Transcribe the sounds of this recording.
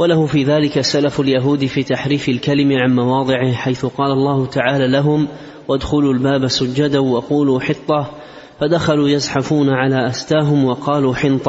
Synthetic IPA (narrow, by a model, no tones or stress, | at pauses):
walahʊfiːðaːlɪkasalafaljaɦuːd̪ɪfiːt̪aħɾiːfɪlkalɪmɪʕanmɑwɑːd̪ˤɨʕɪhħajθʊqɑːlalˤːɑːhʊt̪aʕaːlaːlaɦʊm | wad̪xʊluːlbaːbasʊd͡ʒːad̪awɑquːluːħɨt̪ˤːɑ | fad̪axaluːjasˤħafuːnaʕalaːʔast̪aːɦʊmwɑqɑːluːħɪnt̪ˤɑ